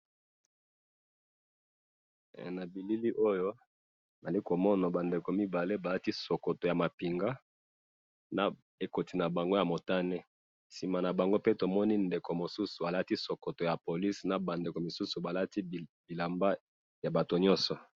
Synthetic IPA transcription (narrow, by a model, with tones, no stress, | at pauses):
na˨bi˨li˦li˦ʔo˦jo˦˨ | ma˨li˦ko˨mɔ˦nɔ˨ba˨nde˨ko˨mi˦ba˨le˦ba˨la˦ti˦so˨ko˨to˨ja˨ma˨pi˨ŋɡa˦ | na˨ | e˨ko˨ti˨na˨ba˨ŋɡo˦ja˨mo˨ta˦nɛ˦ | si˨ma˨na˨ba˨ŋɡo˦pe˦to˨mɔ˦ni˦nde˨ko˨mo˨su˦su˨a˨la˦ti˦so˨ko˨to˨ja˨po˨li˦sna˨ba˨nde˨ko˨mi˨su˦su˨ba˨la˦ti˦bi˨la˨mba˦ | ja˨ba˨to˨ɲɔ˦nsɔ˨